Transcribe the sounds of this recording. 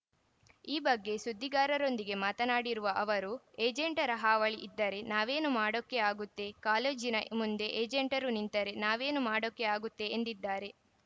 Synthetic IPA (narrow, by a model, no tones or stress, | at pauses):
iːbɐɡːe̞sud̪ːiɡaːɾɐɾo̞nd̪iɡe̞maːt̪ɐnaːɽiɾuʋɐʔɐʋɐɾueːd͡ʒeɳʈɐɾɐɦaːʋɐɭiʔid̪ːɐɾe̞naːʋe̞ːnumaːɽokːe̞aːɡut̪ːe̞kaːled͡ʒinɐmund̪e̞ʔeːd͡ʒeɳʈɐɾunint̪ɐɾe̞naːʋe̞ːnumaːɽokːeaːɡut̪ːe̞ːnd̪id̪ːaːɾe̞